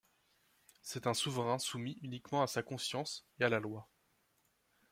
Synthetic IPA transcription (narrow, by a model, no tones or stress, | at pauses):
sɛt̪ɛ̃suvʁɛ̃sumiynikmɑ̃asakɔ̃sjɑ̃sealalwa